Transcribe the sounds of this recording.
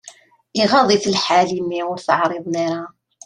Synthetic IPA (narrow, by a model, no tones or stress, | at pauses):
iʁɑðˤiθəlħalimiʊɾθəʕɾˤeðˤniɾa